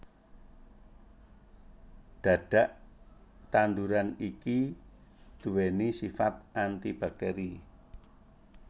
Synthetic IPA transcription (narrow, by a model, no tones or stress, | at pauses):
d̪̥ä̤ɖ̪̥a̤ʔ | t̪and̪uɾaniki | d̪̥ṳwenisifat̪̚ʔant̪ib̥a̤k̚t̪ɛɾi